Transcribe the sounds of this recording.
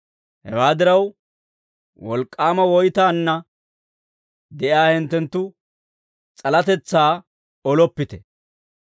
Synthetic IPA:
hɛ̰waːd̪ɪɾɐw | wɔlkʼːaːmɐwɔjt̪aːnːɐ | d̪ɛʔjaːhɪnt̪ːɛnt̪ːʊ | t͡sʼɐlɐt̪ɛt͡sːaː | ɔlɔpːɪt̪ɛ

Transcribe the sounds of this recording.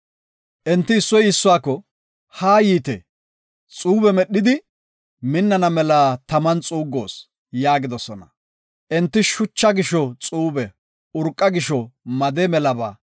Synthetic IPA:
ʔɛnt̪ːɪːsːɔjɪsːʊwaːkːɔ | haːjiːt̪ɛ̰ | t͡sʼuːbɛmɛɗːɪd̪ɪ | mɪnːɐnɐmɛlaːt̪ɐmɐnt͡sʼuːɡːo̞̰ːs | jaːɡɪd̪ɔsɔnɐ̰ | ʔɛnt̪ːɪʃʊt͡ʃːɐɡɪʃɔt͡sʼuːbɛ | ʊɾkʼːɐɡɪʃɔmɐd̪ɛmɛlɐba̰ː

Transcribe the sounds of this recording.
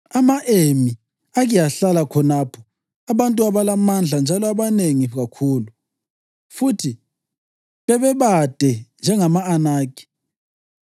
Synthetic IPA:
amaʔemi | aɣijaɬalakʰɔnapʰɔ̥ | aβantʼuaβalamand͡ɮʱand͡ʒʱalɔaβaneŋiɣakʰuːlu | futʰi | βɛβɛβad̥ʱɛnd͡ʒʱɛŋamaːnaːkʼi̥

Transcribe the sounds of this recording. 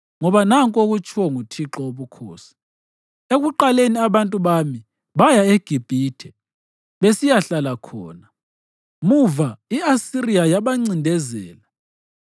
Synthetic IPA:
ŋɔβanaŋkʼoɣut͡ʃʰʼwɔŋutʰiǁɔoβukʰoːsi̥ | eɣuǃaleniaβantʼuβami | βajaeɡ̥ʱib̥ʱiːtʰɛ | βesijaɬalakʰɔ̰ːna | muvaiasiriajaβaŋ͡ǀindʱɛzɛ̰ːla

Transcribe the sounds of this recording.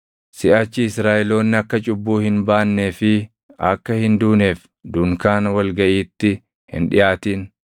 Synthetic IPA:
sɪʔat͡ʃːɪɪsɾaːʔɛlo̞ːnːɪɐkːɐt͡ʃʼʊbːuːhɪnbaːnːeːfɪ | ɐkːɐhɪnd̪uːneːf | d̪ʊŋkaːnwɐlɡɐʔiːt̪ːɪ | hɪ̰nᶑɪjʔaːt̪iːn

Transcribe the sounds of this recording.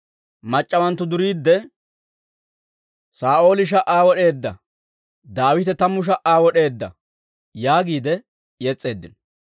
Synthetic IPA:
mɐt͡ʃʼːɐwɐnt̪ːʊd̪ʊɾiːd̪ːɛ | saːʔo̞ːlɪʃ̬ɐʔaːwɔɗe̞ːd̪ːɐ̰ | d̪aːwɪt̪ɛt̪ɐmːʊʃ̬ɐʔaːwɔɗe̞ːd̪ːɐ̰ | jaːɡiːd̪ɛ | jɛt͡sʼːe̞ːd̪ːɪnɔ

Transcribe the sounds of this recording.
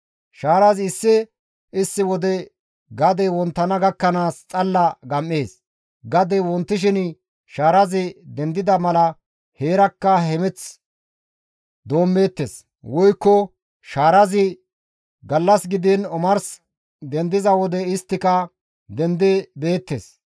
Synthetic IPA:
ʃaːɾɐzɪsːɪ | ɪsːɪwɔd̪ɛ | ɡɐd̪ɛwɔnt̪ːɐnɐɡɐkːɐnaːst͡sʼɐlːɐɡɐmːeːs | ɡɐd̪ɛwɔnt̪ːɪʃ̬ɪn | ʃaːɾɐzɪd̪ɛnd̪ɪd̪ɐmɐlɐ | he̞ːɾɐkːɐhɛmɛt͡s | d̪o̞ːmːe̞ːt̪ːeːs | wɔjkːɔ | ʃaːɾɐzɪ | ɡɐlːɐsɡɪd̪ɪnɔmɐɾs | d̪ɛnd̪ɪzɐwɔd̪ɛɪst̪ːɪkɐ | d̪ɛnd̪ɛbe̞ːt̪ːḛːs

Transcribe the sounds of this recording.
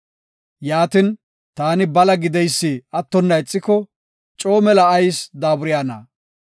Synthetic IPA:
jaːt̪ɪn | t̪aːnɪbɐlɐɡɪd̪ɛjsːiɐt̪ːɔnːɐɪt͡sʼːɪkɔ | t͡ʃʼo̞ːmɛlɐːjsd̪aːbʊɾɪjaːnɐ̰

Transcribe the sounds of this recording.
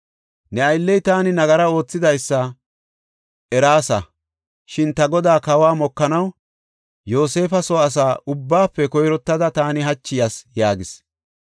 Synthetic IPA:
nɛɐjlːɛjt̪aːnɪnɐɡɐɾɐo̞ːt͡sːɪd̪ɐjsːɐ | ɛɾaːsɐ | ʃɪnt̪ɐɡɔd̪aːkɐwaːmɔkːɐnɐw | jo̞ːse̞ːfɐsɔɐs̬aːʔʊbːaːpːɛkɔjɾɔt̪ːɐd̪ɐt̪aːnɪɦɐt͡ʃːɪjɐsjaːɡɪs

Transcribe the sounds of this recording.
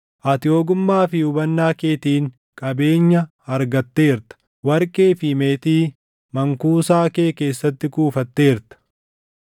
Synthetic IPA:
ʔɐt̪ɪjoːɡʊmːaːfɪʊbɐnːaːke̞ːt̪iːŋ | kʼɐbe̞ːɲːɐ | ɐɾɡɐt̪ːe̞ːɾt̪ɐ̥ | wɐɾkʼeːfɪmeːt̪iː | mɐŋkuːsaːke̞ːke̞ːsːɐt̪ːɪkuːfɐt̪ːe̞ːɾt̪ɐ̥

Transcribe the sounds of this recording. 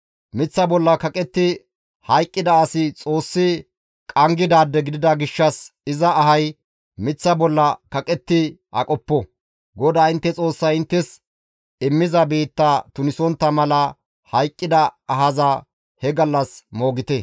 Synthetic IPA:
mɪt͡sːɐbɔlːɐkɐkʼɛt̪ːɪ | hɐjkʼːɪd̪ɐːsɪt͡sʼo̞ːsːɪ | kʼɐŋɡɪd̪aːd̪ːɛɡɪd̪ɪd̪ɐɡɪʃːɐsɪzɐːɦɐj | mɪt͡sːɐbɔlːɐkɐkʼɛt̪ːɪʔɐ̰kʼɔpːɔ | ɡɔd̪aːɪnt̪ːɛt͡sʼo̞ːsːɐjɪnt̪ːɛs | ɪmːɪzɐbiːt̪ːɐt̪ʊnɪsɔnt̪ːɐmɐlɐ | hɐjkʼːɪd̪ɐːɦɐzɐ | hɛɡɐlːɐsmo̞ːɡɪt̪ɛ

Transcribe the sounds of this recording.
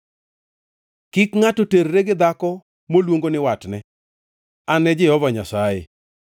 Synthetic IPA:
kɪkŋatoteɾːeɡɪd̪akɔ | molwoŋɡonɪwatnɛ | anɛd͡ʒɪhɔvaɲasajḛ

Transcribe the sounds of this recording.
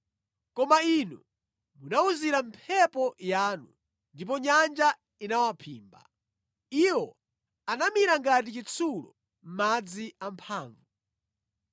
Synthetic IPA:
kɔmainu | munauziɾampʰɛpɔjaːnṵ | ndip̬ɔɲand͡ʒa | inawapʰḭːmba̰ | iwɔ | anamiɾaŋɡat̬it͡ʃit͡sʰulɔ̰ | m̩mad͡ziam̩pʰaːɱvu

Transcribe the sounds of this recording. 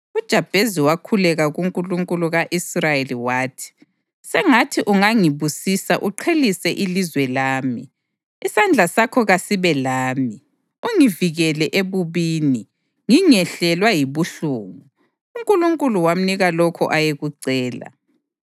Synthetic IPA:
ud̥ʒ̥ʱab̥ʱeziwakʰulɛɣaɣuŋkʼuluŋkʼuluɣaʔisrajeliwaːtʰi̥ | sɛŋatʰiʔuŋaŋiβusisaʔuǃʰelisɛʔilizwɛlaːmiː | sand͡ɮʱasakʰɔɣasiβɛlaːmi | uŋiviɣɛlɛʔeβuβiːni | ŋiŋɛɬɛlwajiβuɬuːŋu | uŋkʼuluŋkʼuluwam̩niɣalɔkʰɔʔajeɣuǀɛːla̰

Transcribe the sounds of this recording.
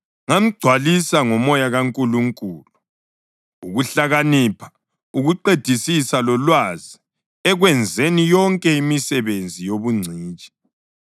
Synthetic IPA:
ŋam̩ɡ͡ǀʱwalisaŋɔmɔjaɣaŋkʼuluŋkʼuːlu | uɣuɬaɣanipʰḁ | uɣuǃed̥ʱisisalɔlwazi | ɛɣwɛnd͡zʱenijɔŋkʼɛimisɛβend͡zʱijoβuŋ͡ǀʱiːt͡ʃʼi̥

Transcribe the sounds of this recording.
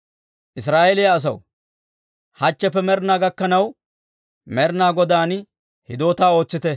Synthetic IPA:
ʔɪs̬ɾaːʔɛlɪjaːs̬ɐw | hɐt͡ʃːɛpːɛmɛɾnaːɡɐkːɐnɐw | mɛɾnaːɡɔd̪aːn | hɪd̪o̞ːt̪aːo̞ːt͡sːɪt̪ɛ

